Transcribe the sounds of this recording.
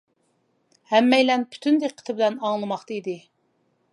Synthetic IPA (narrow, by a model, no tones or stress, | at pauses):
hɛmːɛjlɛnpʰy̥t̪ʰynd̪eqʰːə̥t̪ʰɪbɪlɛnɑŋlˠɨmɑχt̪ɑid̪ɪ